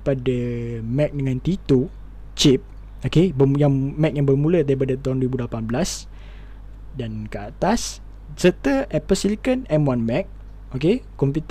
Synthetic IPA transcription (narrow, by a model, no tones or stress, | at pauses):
padəmɛk̚dəŋãnt̪it̪o | t͡ʃip̚ | okebəjaŋmɛk̚jaŋbərmuləd̪aɾip̬adat̪aɦũndwɾibudlapanblas | dankəat̪as | sət̪əɛpəsilikənɛmwanmɛk̚ | okekːɔmput̪